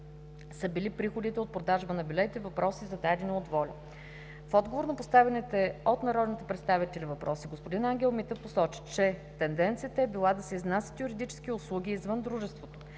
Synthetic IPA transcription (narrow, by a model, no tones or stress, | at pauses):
səbilipɾixod̪it̪ɛot̪̚pɾod̪aʒbɐnɐbʲilʲɛt̪ɛvɐpɾɔsizɐd̪aɛd̪inɛot̪vɔlʲɐ | fɔd̪ɡovoɾnɐpost̪avɛnit̪ɛot̪nɐɾɔd̪nit̪ɛpɾɛt̪st̪avit̪ɛlivɐpɾɔsiɡospod̪inaŋɡʲɛlˠmit̪əposɔt͡ʃi̥t͡ʃɛt̪ɛnd̪ɛnt̪sijət̪əɛbilˠad̪ɐsɛiznasʲə̥t̪jʊɾid̪it͡ʃɛ̥sk̟iʊslˠuɡʲiːzvɤnd̪ɾuʒɛst̪vot̪o̥